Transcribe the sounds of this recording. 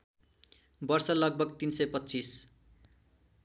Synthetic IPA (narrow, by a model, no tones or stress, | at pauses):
bʌrsʌlʌɡ̚bʱʌɡt̪insʌjpʌtːt͡sis